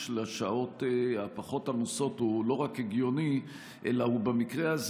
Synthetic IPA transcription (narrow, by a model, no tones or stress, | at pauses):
ʃlaʃao̞teapaχo̞tamuso̞tulo̞ʁakheɡjo̞ni | ʔelahubemikʁeaz